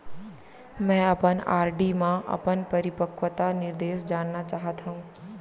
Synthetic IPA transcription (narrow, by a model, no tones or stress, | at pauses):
mɛ̃ːɐpəna̰ːɾɖimãʔɐ̰pənpɐɾɪpəkʰʋət̪anɪɾd̪eːʃd͡ʒaːnːat͡ʃaːɦət̪ʰãũː